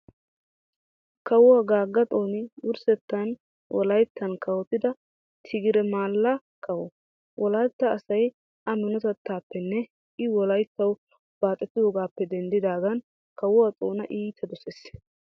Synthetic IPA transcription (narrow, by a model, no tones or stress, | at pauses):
kɐwɔwaɡaːɡːɐt̪ʼo̞ːnɪwʊɾsɛt̪ːɐn | wʔɔ̰lɐjt̪ʰːɐnkɐwɔt̪ːɪd̪ɐ | t̪ʰɪɡɪɾɛmaːlːɐ | kɐwɔ | wʔɔlaːt̪ːɐːsɐj | ʔɐmɪnɔt̪ɛt̪ːaːpːɛnːɛ | ʔɪwɔlɐjt̪ːɐw | b̥aːt̪ʼːɛt̪ːɪd̪oːɡaːpːɛd̪ɛnd̪ɪd̪aːɡɐn | kɐwɔwat̪ʼo̞ːnɐʔiːt̪ʰɐd̪ɔses